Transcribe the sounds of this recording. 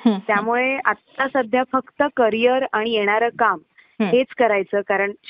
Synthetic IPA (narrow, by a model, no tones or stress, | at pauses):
ɦt̪jamuɭeat̪ːasəd̪ʱjafəkt̪əkəɾijəɾaɽ̃ijeɽ̃aɾəːkam | ɦet͡skəɾajt͡səːkaɾəɳ